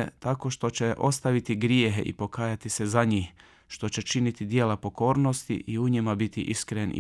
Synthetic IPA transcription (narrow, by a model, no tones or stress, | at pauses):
t̪ako̞ʃt̪o̞t͡ɕe̞ʔo̞st̪aʋit̪iɡɾjeɦḛʔḭpo̞kaːjat̪isezaɲiːh | ʃt̪o̞t͡ɕe̞t͡ʃinit̪id̪jeːlapo̞ko̞ːɾno̞st̪ḭʔiuɲimabit̪ḭʔḭskɾenḭ